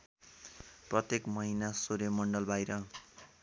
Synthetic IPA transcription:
prʌt̪ekmʌɦinasoɾjʌmʌɳɖʌlbʱajɾʌ

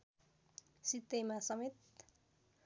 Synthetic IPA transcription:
sit̪ːejmasʌmet̪

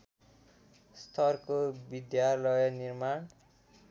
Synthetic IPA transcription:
st̪ʰʌrkobid̪jalʌjʌnirmaɳ

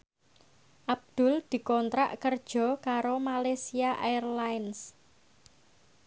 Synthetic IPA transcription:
ʔab̚d̪̥ʊ̤ld̪̥i̤kɔnt̪ɾa̰ʔkərd̥ʒ̥ɔ̤kaɾomalesiaʔaərlajns

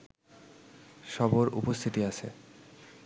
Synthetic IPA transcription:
ʃɔboɾṵpost̪ʰit̪iat͡ɕʰḛ

